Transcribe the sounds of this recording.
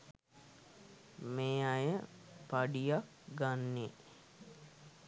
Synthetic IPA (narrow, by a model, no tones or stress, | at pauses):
meːajə | paɖijak | ɡanːe